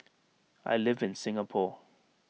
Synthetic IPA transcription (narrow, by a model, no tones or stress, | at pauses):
a̰jlɪvɪ̃nsɪ̃ŋapʰɔ